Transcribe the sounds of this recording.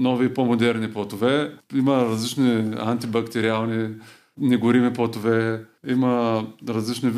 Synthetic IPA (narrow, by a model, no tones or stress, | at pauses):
nɔvipomod̪ɛɾniplˠɐt̪ovɛiməɾɐzlit͡ʃniant̪ibɐkt̪ɛɾialˠni | nɛɡʊɾimiplˠot̪ovɛimɐɾɐzlit͡ʃni